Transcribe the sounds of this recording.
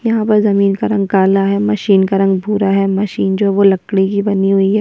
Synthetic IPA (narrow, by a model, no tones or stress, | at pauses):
jɐɦãpɐɾzɐmiːnkaɾɐ̃ŋɡkaːlaɦɛmɐʃiːnkaɾɐ̃ŋɡ̚bʱuːɾaɦɛmɐʃiːnd͡ʒoːɦɛʋolɐkɽikibɐniɦʊiɦɛː